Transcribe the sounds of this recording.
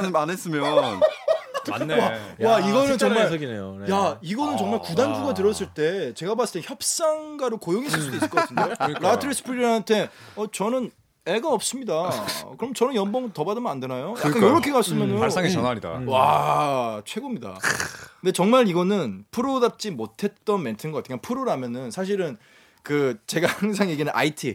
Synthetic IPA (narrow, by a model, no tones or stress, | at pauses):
ɯanes͈ɯmjʌnː | aaiɡʌnɯnt͡ɕʌŋmaɭɡinejonjaiɡʌnɯnt͡ɕʌŋmaɭkudanɡuɡatɯɾʌs͈ɯɭt͈e̞t͡ɕe̞ɡabas͈ɯɭteçjʌp̚s͈aŋɡaɾokojoŋisʰɯs͈udois͈ɭk͈ʌsʰndeoɾatʰɯɾes͈ɯ̥pʰuɾiɾantʰe̞ʌt͡ɕʌnɯn | eɭɡaʌp̚s͈ɯmɲidakɯɾʌmt͡ɕʌnɯnjʌnboŋtʌbadɯmʌnandenajojakkanoɾʌkʰe̞kas͈ɯmjʌnsaŋeʌnaida̰wa | t͡ɕʰe̞ɡomɲida̰nde̞t͡ɕʌŋmaɾiɡʌnɯnpʰɯɾodap̚t͡ɕ͈imotʰe̞t̚t͈ʌnme̞ntʰɯnɡʌk͈atʰiŋkanpʰɯɾoɾamjʌnɯnsʰaɕ̬ʰiɾɯn | kɯt͡ɕe̞ɡahaŋs̬ʰaŋjeɡinɯnʔa̰itʰi